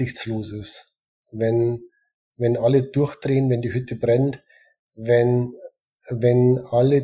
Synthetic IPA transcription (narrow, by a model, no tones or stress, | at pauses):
ɪçt͡sloːsɪs | vɛn | vɛnʔaləd̥ʊɐçd̥ʁeːənvɛndiːhʏtʰəbʁɛnt | vɛn | vɛnalə